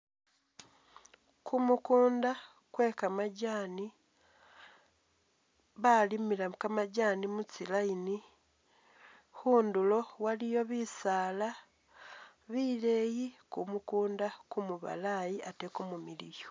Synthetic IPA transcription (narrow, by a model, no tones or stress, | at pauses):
kʰumukuːnda | kwe̞kamaɟaːni | βalimilakamaɟaːnimut͡silaini | huːndulo̞walijo̞βisaːla | βileːjikumukuːndakumuβa̰lajiatekumumilijo̥